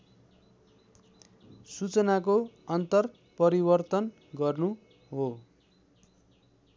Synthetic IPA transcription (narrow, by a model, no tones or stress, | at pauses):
sut͡sʌnakoʌnt̪ʌr | pʌɾibʌrt̪ʌn | ɡʌrnu | ɦo